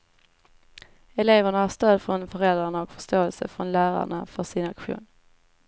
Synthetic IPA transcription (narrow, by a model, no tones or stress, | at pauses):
ɛleːvəɳahaʂt̪øːd̪fɾɔnfœɾɛld̪ɾaɳaɔkfœ̥ʂt̪oːɛlsə̰fɾɔnlæːɾa̰ɳafœʂɪnakɧṵːn